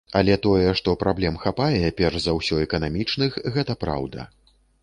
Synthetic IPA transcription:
ɐlʲɛt̪ɔjɛʂt̪ɔpɾablʲɛmxapajɛpʲɛrʐzawsʲɔɛkɐnamʲit͡ʂnɨxɣɛt̪ɐpɾa̰wd̪ɐ̰

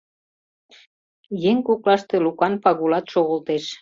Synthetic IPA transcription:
jeŋkuklɑʃt̪elukɑnpɑɣulɑt̪ʃoɣəlt̪eʃ

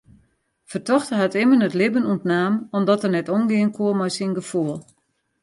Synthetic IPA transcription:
fərtɔxtəɦatɪmənətlɪbənuntnaːmɔmdɔtərnɛtonɡɪənkʰuəmɔjsinɡəfuəlˠ

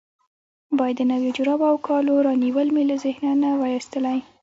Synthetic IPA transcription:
bɑjad̪ːənawed͡ʒʊɾɑbawkʰɑloɾɑniwəlmelazɪhnanawəjist̪əlaj

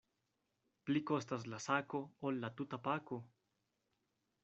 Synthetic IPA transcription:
plikoest̪as̬lasakoolːat̪ut̪apako

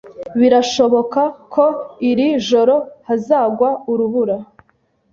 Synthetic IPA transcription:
βiɾaʃo̞βo̞kakʰo̞iɾiʒo̞ɾo̞hazaːɡwauɾuβuɾa

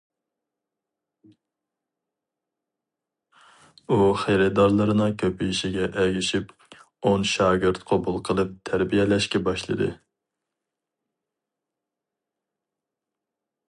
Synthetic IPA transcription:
uχejɾɪd̪ɑɾlˠɨɾɨnɨŋkʲʰøpiʃiɡʲɛʔɛɡʲiʃip | onʃɑːɡʲɨɾt̪qʰɑbulˠqʰəlˠɨp̚t̪ʰæɾbijɛlɛʃkʲɛbɑʃlˠɨ̰d̪ɨ̰

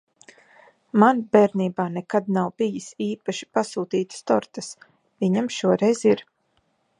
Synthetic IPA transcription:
manb̥ɛɾniːbaːnɛkad̪nawbijisiːpaʃi̥pasuːt̪iːt̪st̪ɔɾt̪as | viɲamʃuɔɾɛjziɾ

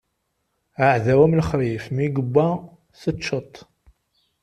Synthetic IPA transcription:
əʕðæwæmləχɾifmiɡəbːæ | θət͡ʃːət̪ˤː

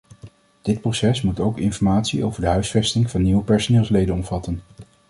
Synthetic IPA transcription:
d̥ɪt̚prosɛsmutowkɪnfɔɹmaːtsiʔo̰wvəɹdəɦœɥsfɛstɪŋv̥ɑnːiwəpɛɹsonɪːlˠslejdənɔmv̥ɑtən

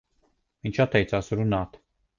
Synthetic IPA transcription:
minʲt͡ʃat̪ejt̪sasɾunat̪

